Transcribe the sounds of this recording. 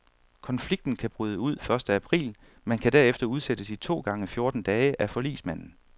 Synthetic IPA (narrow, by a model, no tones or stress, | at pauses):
kʰɒ̽nfliɡ̥̚d̥n̩kʰæb̥ʁyːð̞ˠəuð̞̰ˠfɶɐsd̥əæpʰʁḭːl | mænkʰæd̥æɐ̰efd̥ɐuð̞ˠsed̥əsit͡sʰo̝̰ːɡ̥ɑ̈ŋəfjo̝ɐd̥n̩d̥ɛːəʔæfɒ̽lḭːsmæn̰n̩